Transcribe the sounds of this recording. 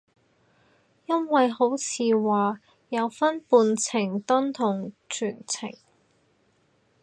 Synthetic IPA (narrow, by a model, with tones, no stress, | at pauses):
jɐ˥nwɐ˨jɦo˨˥wt͡sʰiː˨˧waː˨ | jɐ˨˧wfɐ˥npuː˧nt͡sʰɪ˨˩ŋt̪ɐ˥nt̪ʰʊ˨˩ŋt͡ʃʰyː˨˩nt͡sʰɪ̰˨˩ŋ